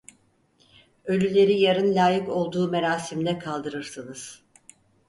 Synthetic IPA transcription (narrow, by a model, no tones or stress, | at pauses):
ø̞lʲylʲe̞ɾijaɾɯnlʲaːjɯko̞lˠd̪uːme̞ɾaːsimd̪ɛkʰalˠd̪ɯɾɯɾsɯnɯz̥